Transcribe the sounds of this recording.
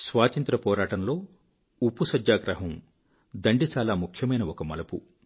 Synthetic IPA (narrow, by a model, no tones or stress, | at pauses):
sʋaːt̪ɐnt̪ɾɐpɔːɾaːʈɐnlo̞ː | upːusɐd͡ʒjaːɡɾɐɦɐm | d̪ɐɳɖit͡ʃaːlaːmukʰjɐmɐjnɐɔkɐmɐ̰lɐpṵ